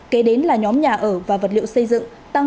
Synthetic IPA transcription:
ke˨˦ɗe˨˦nlaː˨˩ɲɔ˨˦mɲaː˨˩ʔəː˧˩vaː˨˩və˨˩t̚lḭ˧˨ə˨wsə˧jzɨ̰˧˨ŋ | t̪a˧ŋ

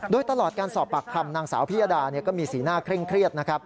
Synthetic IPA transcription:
doː˧jt̪a˧lɔː˨˩t̪̚kaː˧nsɔː˨˩pːa˨˩kʰːa˧mnaː˧ŋsa̰ː˩˦wpʰi˦˥jaː˧daː˧ni˥˩ɐkɔː˥˩miː˧siː˩˦naː˥˩kʰɾe˥˩ŋkʰɾi˥˩ət̪̚na˦˥kʰɾa˦˥p̚

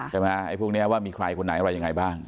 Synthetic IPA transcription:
t͡ɕʰa˥˩ma˦˥a˥˩pʰu˥˩k̚ni˦˥ɐ˧waː˥˩miː˧kʰɾa˧jkʰo˧nːa˩˦ʔa˧ɾa˧ja˧ŋa˧jbaː˥˩ŋ

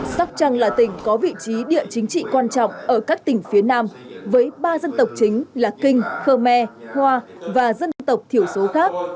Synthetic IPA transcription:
sa˦˥k͡p̚t͡ɕa˧ŋlaː˨˩t̪ï˧˩ŋ̟kɔ˨˦vḭ˧˨t͡ɕi˨˦ɗḭ˧˨ət͡ɕï˨˦ŋ̟t͡ɕḭ˧˨kwaː˧nt͡ɕɔ̰˧˨wŋ͡mʔəː˧˩kaː˦˥k̚t̪ï˨˩ŋ̟fi˨˦ənaː˧mvəː˨˦jɓaː˧zə˧nt̪ə˨˩wk͡p̚t͡ɕï˨˦ŋ̟laː˨˩kï˧ŋ̟xəː˧mɛ˧hwaː˧vaː˨˩zə˧nnt̪ə˨˩wk͡p̚t̪ʰi˧˩əwso˨˦xaː˦˥k̚

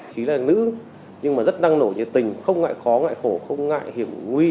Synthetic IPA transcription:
xi˨˦laː˨˩nɨ̰˧˥ | ɲɨ˧ŋmaː˨˩zə˦˥t̚ɗa˧ŋno˧˩ɲɨ˧˩t̪ï˨˩ŋ̟xə˧wŋ͡mŋa̰ː˧˨jxɔ˨˦ŋa̰ː˧˨jxo˧˩xə˧wŋ͡mŋa̰ː˧˨jhi˧˩əmŋwi˧

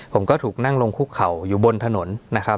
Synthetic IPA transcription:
pʰo˩˦mkɔː˥˩t̪ʰuː˨˩k̚na˥˩ŋlo˧ŋkʰuː˥˩kʰa˨˩wjuː˨˩bo˧nt̪ʰa˧no˩˦nːa˦˥kʰa˦˥

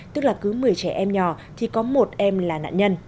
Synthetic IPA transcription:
t̪ɨ˦˥k̚laː˨˩kɨ˨˦mɨ˨˩əjt͡ɕɛ˧˩ʔɛ˧mɲɔ˨˩ | t̪ʰi˨˩kɔ˨˦mo˨˩t̚ʔɛ˧mlaː˨˩na̰ː˧˨nɲə˧n

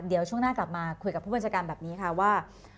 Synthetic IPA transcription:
di˨˩˦əwt͡ɕʰu˥˩əŋnaː˥˩kla˨˩p̚maː˧kʰu˧jka˨˩pʰːuː˥˩aː˧nt͡ɕʰaː˧kaː˧nbɛː˨˩p̚niː˦˥kʰa˥˩waː˥˩

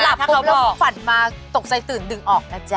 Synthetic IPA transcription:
la˨˩pa˥˧a˧˦lɔ˧˥˧fa˨˩nmaː˧t̪o˨˩k̚sa˧jt̪ɯː˩˦ndɯ˨˩ŋʔɔː˨˩k̚na˦˥˩t͡ɕa˧

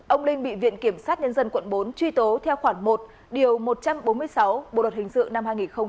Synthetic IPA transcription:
ʔə˧wŋ͡mlï˧ŋ̟ɓḭ˧˨vḭ˧˨ənki˧˩əmsaː˦˥t̚ɲə˧nzə˧nkwə˧˨nɓo˨˦nt͡ɕwi˧t̪o˨˦t̪ʰɛ˧wxwaː˧˩ŋmo˨˩t̚ | ɗi˨˩əwmo˨˩t̚t͡ɕa˧mɓo˨˦nmɨ˧əjsa˨˦wɓo̰˧˨ɗw̚hï˨˩ŋ̟sɨ̰˧˨ŋna˧mhaː˧jŋi˨˩nxə˧ŋ͡m

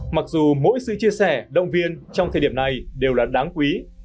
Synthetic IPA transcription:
ma˨˩k̚zu˨˩mo̰˧˥jsɨ̰˧˨t͡ɕi˧əsɛ˧˩ɗə̰˧˨wŋ͡mvi˧ənt͡ɕɔ˧wŋ͡m̪ʰə˨˩ɗi˧˩əna˨˩jɗe˨˩wlaː˨˩ɗaː˨˦ŋkwi˨˦

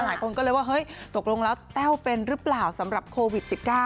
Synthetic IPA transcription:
laː˨˦ku˧nkɔː˨˦le˨˦wɔː˧˩ɦəː˧˩jt̪o˨˩k̚lu˧ŋlɔː˨˦wt̪ɛː˦˥wpe˧nɾɨ˦˥p̚laː˨˩wsə˨˦mɾa˨˩p̚kʰo˧vi˨˩t̚si˨˩p̚kaː˧

